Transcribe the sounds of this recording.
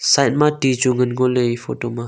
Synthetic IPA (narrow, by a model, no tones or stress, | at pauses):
sajt̚matid͡ʒuŋənɡoleifotoma